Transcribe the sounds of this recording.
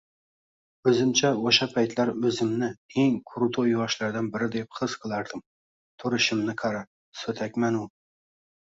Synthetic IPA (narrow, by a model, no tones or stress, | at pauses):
ɵzɪmt͡ʃʰaoʃapʰajt̪laɾɵzɪmnɪeŋkʰʊɾʊt̪ʰojɒʃlaɾd̪anbɪɾɪd̪e̞p̚χɨz̥qʰɨlˠaɾd̪ɪm | t̪ʰʊɾɪʃɪmnɪqʰɑɾa | sɵt̪ʰakʲmanʊ